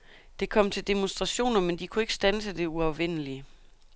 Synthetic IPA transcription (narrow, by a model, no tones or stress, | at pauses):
d̥e̝kʰɒ̽m̰t͡sʰeld̥e̝monsd̥ʁɑ̈ɕo̝̰ːnɐmend̥ikʰue̝ɡ̥ə̥sd̥ænsəd̥e̝uɑ̈ʊʋen̰əli